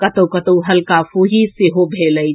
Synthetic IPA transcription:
kət̪əwkət̪əwɦəlkafuɦiseɦobʱeləj

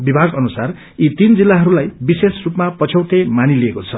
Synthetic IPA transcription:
bibʱaɡʌnusar | it̪ind͡zilːaɦʌɾulajbisesrupmapʌt͡sʰʌwʈemaniliekot͡sʰʌ

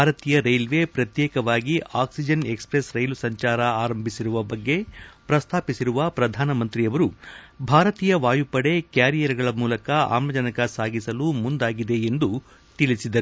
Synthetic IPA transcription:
baːɾɐt̪iːjɐɾɐjlʋe̞pɾɐt̪jɛːkɐʋaːɡiaːksid͡ʒɐnekspɾesɾɐjlusɐɲt͡ʃaːɾɐaːɾɐmbʱisiɾuʋɐbɐɡːe̞pɾɐst̪ʰaːpisiɾuʋɐpɾɐd̪ʱaːnɐmɐnt̪ɾiɐʋɐɾu | bʱaːɾɐt̪iːjɐʋaːjupɐɽe̞kaːɾijɐɾɐɡɐɭɐmuːlɐkɐa̰ːmɐd͡ʒɐnɐkɐsaːɡisɐlumund̪aːɡid̪e̞ːnd̪u | t̪iɭisid̪ɐɾu

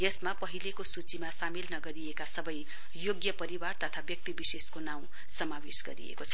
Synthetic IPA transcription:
jesmapʌɦilekosut͡simasamilnʌɡʌɾijekasʌbʌj | joɡjʌpʌɾibart̪ʌt̪ʰabjʌk̚t̪ibiseskonaw̃ | sʌmawesɡʌɾḭjḛkot͡sʰʌ̥

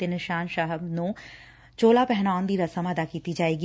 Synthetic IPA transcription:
t̪eːnɪʃaːnʃaɦəbnũː | t͡ʃoːlaːpɛɦnaːʊnd̪iːɾəsəməd̪aːkiːt̪id͡ʒaːeːɡi

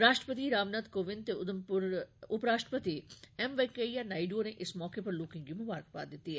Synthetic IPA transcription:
ɾaːʃʈɾəpət̪iɾaːʋnət̪koːʋɪ̃nt̪eʊd̪əmpʊɾʊpɾaːʃʈɾəpɐt̪iɛmʋekejanaːɪɖoːnẽʔɪsmɔːkepɐɾloːkɪ̃ŋɡimʊbaːɾəkpa̰ːd̪ɪt̪iɦɛ

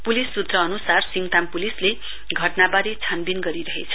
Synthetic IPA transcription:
pulisːut̪rʌːnusarsiŋt̪ampulisle | ɡʱʌʈnabaɾet͡sʰanbinɡʌɾiɾʌɦet͡sʰʌ̥

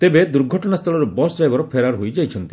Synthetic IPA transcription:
t̪ebed̪uɾɡʱɔʈɔnast̪ʰɔɭɔɾubɔsd͡ʒajbɔɾɔpʰeɾaɾɦojd͡ʒajt͡ʃʰɔnt̪i

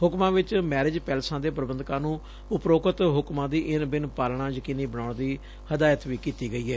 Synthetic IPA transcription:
hʊkmãːʋɪt͡ʃmɛːɾɪd͡ʒpɛːlsãːd̪eːpɾəbənd̪kãːnũː | ʊpɾoːkət̪ɦʊkmãːd̪iːʔɪnbɪnpaːlɳãːd͡ʒəkiːniːbəɽaːɳd̪iː | həd̪aːjət̪ʋiːkiːt̪iːɡəiːɛː

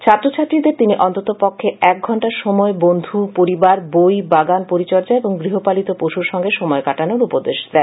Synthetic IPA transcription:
t͡ɕʰat̪ːɾot͡ɕʰat̪ːɾid̪eɾt̪iniʔɔnt̪ot̪opokʰːeɛk̚ɡʱɔɳʈaɾʃɔmɔebond̪ʱupoɾibaɾbojbaɡanpoɾit͡ɕɔɾd͡ʑaeboŋɡɾiɦopalit̪opoʃuɾʃɔŋɡeʃɔmɔekaʈanoɾupod̪eʃd̪ɛ

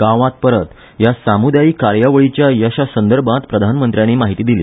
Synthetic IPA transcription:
ɡãʋãt̪̚pəɾət̪ | jasamud̪ajiːkaɾjaʋəɭit͡ɕjajəɕasənd̪əɾbʱãt̪pɾəd̪ʱanmənt̪ɾjaniːmaɦit̪iːd̪ilḭː

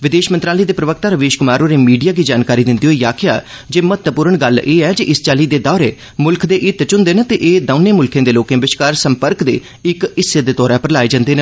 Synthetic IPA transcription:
ʋɪd̪eːʃmə̃nt̪ɾaːləiːd̪eːpɾəʋək̚t̪aːɾəʋeːʃkʊmaːɾõːɾeːmiːɖijaːɡiːd͡ʒaːnkaːɾiːd̪ɪnd̪iːɦoːiːaːkʰɪja̰ː | d͡ʒeːmət̪əpuːɾəɳɡəlʔeːɛːd͡ʒeʔɪst͡ʃaːliːd̪eːd̪ɔːɾeː | mʊlkʰd̪eːʔɪt̪t͡ʃʊnd̪eːnət̪eʔeːd̪əːnẽːmʊlkʰẽːd̪eːloːkẽːbɪʃkaːɾsəmpəɾkd̪ḛː | ɪkɪsed̪eːt̪ɔːɾãːpəɾlaːeːd͡ʒãːnd̪eːnə

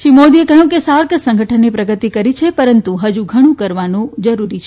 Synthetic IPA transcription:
ʃimod̪iekəɦjũkesaɾkəsə̃ŋɡʱəʈʰənːepɾəɡət̪ikəɾit͡ʃʰepəɾənt̪uɦəd͡ʒuɡʱəɽ̃ũkəɾʋanũd͡ʒəɾuɾit͡ʃʰe

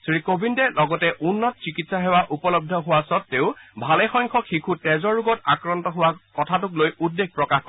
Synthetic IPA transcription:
sɹikobʱindɛlɔɡɔtɛʔunːɔtɔsikitsaɦɛwaʔupɔlɔb̚dʱɔɦʊwasɔtːeʊbʱalɛxɔŋkʰɔxʰikʰutɛzɔɹuɡɔtakɹɔntɔɦʊwakɔtʰatʊklojudːeɡ̚pɹɔkaxkɔ

